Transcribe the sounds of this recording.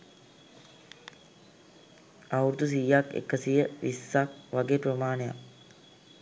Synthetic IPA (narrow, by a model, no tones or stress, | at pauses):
awɾud̪us̬ijːakḛkːəsijəʋisːak̚ʋaɡeːpɾomaːneja̰k